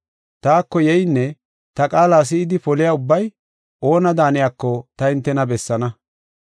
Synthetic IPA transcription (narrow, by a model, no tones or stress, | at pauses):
t̪aːkːɔjɛjnːɛ | t̪ɐkʼaːlaːs̬ɪːd̪ɪfɔlɪjaːʊbːɐj | ʔo̞ːnɐd̪aːnɪjaːkːɔt̪ɐɪnt̪ːɛnɐbɛsːɐnɐ